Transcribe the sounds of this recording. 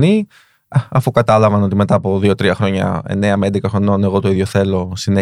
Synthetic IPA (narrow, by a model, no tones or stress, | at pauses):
ni | ɐɐfukɐt̪ɐlɐvɐno̞t̪̬ime̞t̪ɐːpo̞ðio̞t̪ɾiɐxɾo̞ɲɐ̰e̞̰ne̞ɐmend̪ekɐxɾo̞no̞ne̞ɣo̞t̪o̞iðʝo̞θe̞lo̞sine